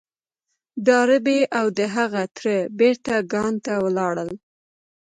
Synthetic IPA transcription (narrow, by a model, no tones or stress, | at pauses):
d̪ɑɾɪbeʔawd̪əɦaɣat̪ɾəbeɾt̪aɡɑnt̪awəlɑɽəl